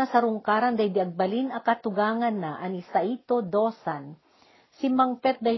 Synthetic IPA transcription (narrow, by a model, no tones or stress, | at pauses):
asɐɾʊŋkaːɾɐnd̪ɐjd̪ɪʔɐɡ̚bɐlinɐkɐt̪ʊɡaːŋɐnːaʔɐŋɪsaʔit̪od̪osan | sɪmaŋpɛt̪̚d̪ɐ